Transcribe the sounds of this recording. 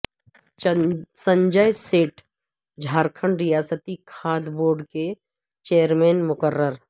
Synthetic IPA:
sə̃ɲd͡ʒəjseːʈ | d͡ʒʱaːɾkʰəɳɖɾɪjaːsət̪ikʰaːd̪boːɾɖke | t͡ʃeːjəɾmẽːnmʊkəɾːəɾ

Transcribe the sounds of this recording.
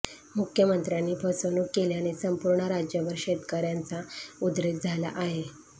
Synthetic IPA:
mukʰjəmənt̪ɾjanːiːpəsʋənuːkːeljañisəmpuɾɳəɾad͡ʑjəʋəɾɕet̪kəɾjãnt͡saud̪ɾet̪̚d͡zʱala̰ʔaɦe

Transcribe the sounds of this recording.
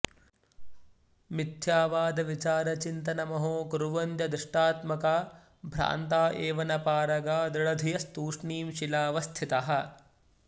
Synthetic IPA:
mid̪ʱjaːʋaːd̪ɐʋit͡ʃaːɾɐt͡ʃint̪ɐnɐmɐɦoːkuɾuʋɐnt̪jɐd̪ɪʂʈaːt̪mɐkaː | bʱɾa̰ːnt̪aːʔeːʋɐnɐpaːɾɐɡaːd̪ɐɽɐd̪ʱijɐst̪uːʂɳiːmʃilaːʋɐst̪ʰit̪ɐɦɐ̆

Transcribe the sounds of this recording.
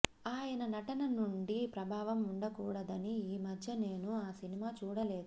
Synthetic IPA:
aːjɐnɐnɐʈɐnɐnuɳɖipɾɐbʱaːʋɐmuɳɖɐkuːɽɐd̪ɐniiːmɐdʱjɐne̞ːnuaːsinimaːt͡ʃuːɽɐle̞ːd̪u

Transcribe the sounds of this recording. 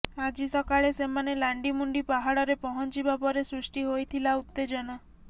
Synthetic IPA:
ad͡ʒisɔkaɭesemanelaɳɖimuɳɖipaɦaɽɔɾepɔɦɔnt͡ʃibapɔɾesɾusʈiɦojt̪ʰilaut̪ːed͡ʒɔna

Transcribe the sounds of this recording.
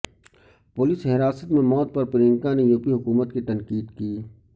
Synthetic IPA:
pʊːliːsɦɪɾaːsət̪mẽmɔːt̪̚pɐɾpɪɾɪ̃ŋkanejuːpiɦʊkuːmət̪kit̪ɐŋkiːt̪kiː

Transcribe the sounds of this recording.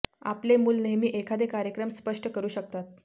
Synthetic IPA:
a̰plemuːlnemiːʔekʰad̪ekaɾjəkɾəmspəʂʈəkəɾuːɕək̚t̪at̪̚

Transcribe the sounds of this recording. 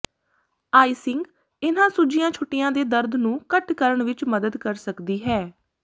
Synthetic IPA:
aːiːsɪŋɡ | ɪnãːsud͡ʒijãːt͡ʃʰoːʈːɪjãːd̪eːd̪əɾd̪ʱnũːkəʈkəɾəɳʋɪt͡ʃməd̪əd̪kəɾsəkd̪iːɦɛː

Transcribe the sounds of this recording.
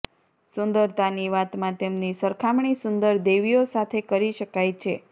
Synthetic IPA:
sʊnd̪əɾt̪aniʋat̪mãt̪emnisəɾkʰamɳisʊnd̪əɾd̪eʋiosat̪ʰekəɾiʃəkajt͡ʃʰe

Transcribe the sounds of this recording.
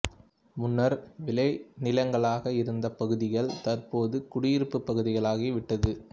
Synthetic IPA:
mʊnːɐɾʋɪlɐɪnɪlɐŋɡɐɭaːɣɐɪɾɯnd̪ɐpɐɣɯðɪɣɐɭt̪ɐrpoːðɯkʊɽɪjɪɾɯpːɯpːɐɣɯðɪɣɐɭaːɣiːʋɪʈːɐðɯ

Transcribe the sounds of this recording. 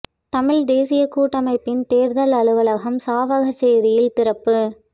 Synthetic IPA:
t̪ɐmɪɻd̪eːsɪjɐkːuːʈːɐmɐɪpːɪnt̪eːɾðɐlɐɭɯʋɐlɐɣɐmsaːʋɐɣɐt͡ʃːɛjɾɪjɪlt̪ɪɾɐpːɯ

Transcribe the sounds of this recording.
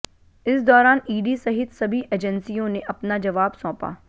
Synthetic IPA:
ɪsd̪ɔːɾaːniːɖisɐɦɪt̪sɐbʱiʔeːd͡ʒənsijõneʔɐpnad͡ʒɐʋaːbsɔ̃ːpa̰ː

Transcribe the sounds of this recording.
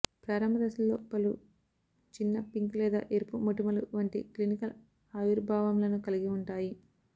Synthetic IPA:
pɾaːɾɐmbʱɐd̪ɐsɐlːoːpɐlu | t͡ʃinːɐpiŋklɛːd̪a̰ːʔeɾpumuʈimɐluʋɐɳʈiklinikɐl | ɐʋiɾbʱaːʋɐmlɐnukɐliɡiuɳʈaːji

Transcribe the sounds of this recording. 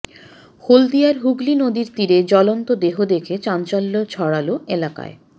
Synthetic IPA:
hold̪ijaɾɦuɡlinod̪iɾt̪iɾed͡ʑɔlont̪od̪eɦod̪ekʰet͡ɕant͡ɕalːot͡ɕʰɔɽaloelaka̰e

